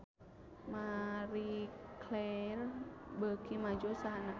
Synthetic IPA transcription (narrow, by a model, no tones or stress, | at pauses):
maɾiklɛrbəkimad͡ʒosaɦana